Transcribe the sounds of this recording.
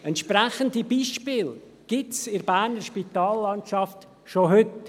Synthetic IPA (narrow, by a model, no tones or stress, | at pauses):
ɛntʃpɾɛχəndibiːʃpɪːl | ɡ̥ɪtsɪɾbæːɾnəʃpitɑːlːɑntt͡ʃɑft | ʃoɦʏt